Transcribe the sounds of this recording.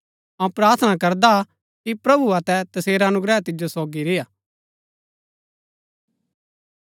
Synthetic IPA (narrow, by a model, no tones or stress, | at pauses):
ãpɾaːɾt̪ʰənakɐɾd̪a | kipɾɐbuɐt̪ɛt̪ɐseːɾaɐnʊɡɾɛːt̪ɪd͡ʒosoːɡiɾɪjaː